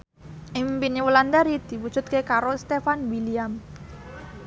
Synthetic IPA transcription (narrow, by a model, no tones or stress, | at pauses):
ʔimpiniwəland̪aɾid̪̥i̤wud̥ʒ̥ṳt̪̚kekaɾost̪efanwiliam